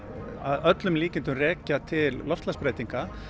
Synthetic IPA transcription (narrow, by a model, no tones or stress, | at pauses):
aðœt̪lʏmliːcɪnt̪ʏmrɛːcat̪ʰɪlːɔft̪laspɾeːjt̪iŋka